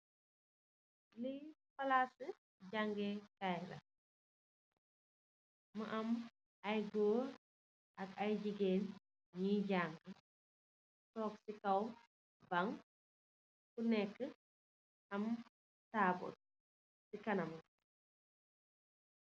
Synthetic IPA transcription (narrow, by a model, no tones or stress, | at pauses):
lifɐlasə | ɟaŋɡekajlɐ̰ | mɐʔɐm | ɐjɡoː | ʔɐkɐjd͡ʒiɡeːn | ɲiɟaŋɡə | tɔːksikɐw | bɐŋ | kunɛkːə | ʔɐm | taːbṵt̚ | sikɐnɐmɐ